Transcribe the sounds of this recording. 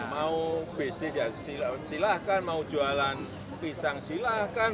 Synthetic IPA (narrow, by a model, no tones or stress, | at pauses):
maub̥e̤sejasilasilahkanmaud̥ʒ̥ṳalan | pisaŋsilahkan